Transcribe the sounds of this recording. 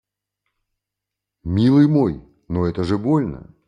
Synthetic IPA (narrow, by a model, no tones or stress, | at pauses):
mʲilˠɨjmoj | noɛt̪əʐɨbolʲnə̰